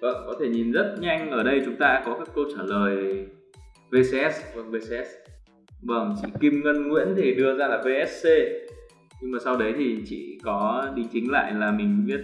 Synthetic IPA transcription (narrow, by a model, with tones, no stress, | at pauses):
və̰˧˨nkɔ˨˦t̪ʰe˧˩ɲi˨˩nzə˦˥t̚ɲa˧jŋ̟ʔəː˧˩ɗə˧jt͡ɕʊ˨˦ŋ͡mt̪aː˧kɔ˨˦kaː˦˥kːə˧wt͡ɕaː˧˩ləː˨˩j | ve˧sʔɛ˦˥svə˧˩ŋve˧se˧ɛ˦˥s | və̰˧˩nt͡ɕḭ˧˨ki˧mŋə˧nŋwḭ˧˥ənt̪ʰi˨˩ɗɨ˧əzaː˧laː˨˩ve˧ʔɛ˦˥s̚se˧ | ɲɨ˧ŋmaː˨˩sa˧wɗə˨˦jt̪ʰi˨˩t͡ɕḭ˧˨kɔ˨˦ɗi˨˦ŋ̟t͡ɕï˨˦ŋ̟la̰ː˧˨jlaː˨˩mï˨˩ŋ̟ɓi˦˥ət̚